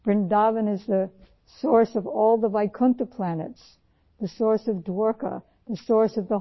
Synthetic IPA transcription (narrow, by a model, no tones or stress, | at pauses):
b̥ɹɨ̃ndɑvɨ̃nɨzðɨ | sɔɹsʌvɔlˠðəvaɪkʰʌ̃ntəpʰl̥ænɨ̰ts | ðɨsɔɹsʌvdwɔɹkə̰ | ðɨsɔɹsʌvðə